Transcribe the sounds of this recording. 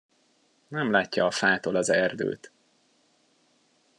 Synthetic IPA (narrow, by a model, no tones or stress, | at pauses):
nɛmlaːcːɒːfaːt̪olɒzɛrd̪ø̰ːt̪